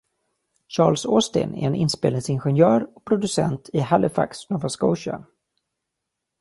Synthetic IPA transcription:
ɕɑːlsost̪ɪ̰næ̰ɾɛnɪnspeːlɪŋsɪnɧɛnjœːɾɔk̚pʰɾʊd̪ɵsɛnt̪ʰɪhalʔɪfa̰ksnɔvaskɔʊʃa̰

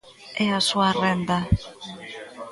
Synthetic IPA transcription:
easuarend̪a

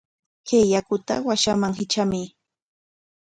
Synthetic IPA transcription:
kejakʊt̪a̰waʃamaŋɦɪt͡ʃamɪ

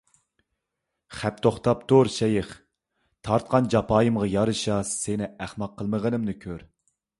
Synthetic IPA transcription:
χæp̚t̪ʰoχt̪ʰɑp̚t̪ʰoɾʃɛjɪχ | t̪ʰɑɾt̪̚qʰɑnd͡ʒɑpʰɑːjɨmʁɑjɑɾɨʃɑsɪnɪæχmɑqʰːəlˠməʁənɨmnɨkʲʰøɾ

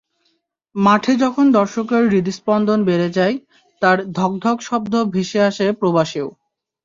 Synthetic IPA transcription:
maʈʰed͡ʑɔkʰond̪ɔɾʃokeɾːid̪ispɔnd̪onbeɾed͡ʑae | t̪aɾd̪ʱɔk̚d̪ʱɔkʃɔb̚d̪obʱeʃeaʃepɾobaʃeo

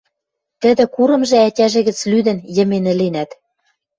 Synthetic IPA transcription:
t̪ɘ̆d̪ɘ̆kuɾɤ̆mʒĕætʲæʒɘ̆ɣɘ̆t͡slyd̪ɘ̆njə̆menɘ̆lenæt̪

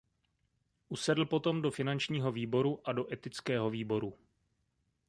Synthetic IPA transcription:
ʔusɛdl̩po̞t̪o̞mdo̞fɪnant͡ʃɲiːɦo̞viːbo̞ɾuʔado̞ʔɛt̪ɪt͡skɛːɦo̞viːbo̞ɾu

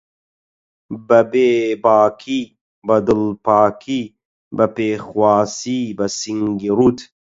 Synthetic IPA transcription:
bɐbeːbaːkʰi | bɐd̪ulpaːkʰi | bɐpeːxwaːsibɐsiŋɡiɾut̪

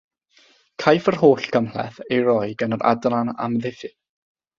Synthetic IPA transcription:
kʰajfərhoːɬɡ̥əmlɛ̰θejɾɔjɡənəɾʔa̰dlana̰mðɪfɨ

